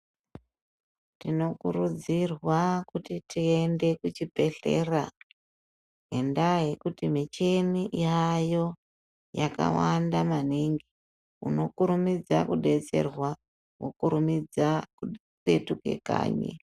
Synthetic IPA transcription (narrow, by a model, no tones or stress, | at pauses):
tino̞kurud͡zirwakutitiende̞kut͡ʃipe̞ɬe̞ra | ɦendaɦe̞kutimit͡ʃe̞niʔiajo̞ | jaka̰wandamaniŋɡi | uno̞kuɾumid͡za̰kuɗe̞t͡se̞̰rwa | wo̰kuɾumid͡zaku | pe̞tuke̞̰ka̰ːɲḛ